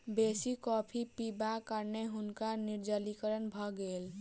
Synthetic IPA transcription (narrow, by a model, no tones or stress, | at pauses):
besikɔːpʰipibakəɾneɦʊnkaniɾd͡ʒəlikəɾənbʱɔɡel